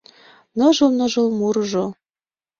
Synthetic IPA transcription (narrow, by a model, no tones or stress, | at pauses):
nɤʒəlnɤ̆ʒə̆lmurʒo